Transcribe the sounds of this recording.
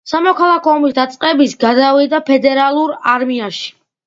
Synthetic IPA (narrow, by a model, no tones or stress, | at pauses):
samɔkʰalˠakʰɔɔmisd̪at̪sʼqʼɛbisɡad̪avid̪apʰɛd̪ɛɾalˠuɾaɾmiaʃi̥